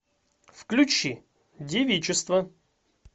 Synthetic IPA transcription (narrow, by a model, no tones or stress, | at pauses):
fklʲʊt͡ɕi | dʲɪvʲit͡ɕɪst̪və